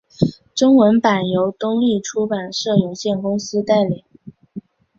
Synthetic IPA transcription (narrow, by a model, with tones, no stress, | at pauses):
ʈ͡ʂʊ˥ŋwə˧˥npa˨˩njo˧˥ʊt̪ʊ˥ŋli˥˩ʈ͡ʂʰu˥pa˨˩nʂɤ˥˩jo˨˩ʊɕjɛ˥˩nkʊ˥ŋsɹ̩˥t̪a˥˩ɪli˨˩˦ŋ